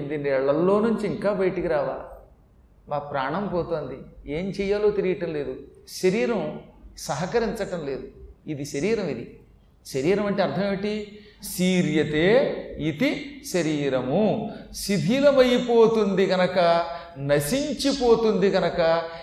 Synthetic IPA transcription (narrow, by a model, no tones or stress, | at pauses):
nd̪inːiɛɭːɐlːo̞ːnuɲt͡ʃiːŋkaːbɐjɐʈikiɾaːʋa̰ːl | maːpɾaːɳɐmpɔːt̪o̞ːnd̪ie̞ːmt͡ʃɛːjaːloːt̪iɾijɐʈɐmle̞ːd̪uʃɐɾiːɾɐmsɐɦɐkɐɾiɲt͡ʃɐʈɐmle̞ːd̪uid̪iʃɐɾiːɾɐmid̪i | ʃɐɾiːɾɐmɐɳʈeɐɾt̪ʰɐmeʈi | siːɾjɐt̪e̞ːit̪iʃɐɾiːɾɐmusib̪ʱiːlɐmɐjipoːt̪und̪iɡɐnɐkɐ | nɐsiɲt͡ʃipo̞ːt̪und̪iɡɐnɐkɐ